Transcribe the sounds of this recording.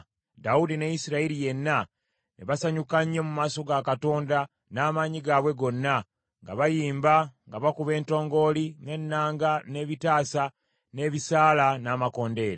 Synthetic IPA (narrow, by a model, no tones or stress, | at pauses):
daudinejisiɾaiɾije̞nːa | neβasaɲukaɲːe̞mumaːso̞ɡakato̞ːnda | naːmaɲiɡaːβwe̞ɡo̞nːa | ŋɡaβajiːmbaŋɡaβakuβe̞ːnto̞ːŋɡo̞ːline̞nːaːŋɡane̞ːβitaːsa | ne̞ːβisaːlanaːmako̞ːnde̞ːɾe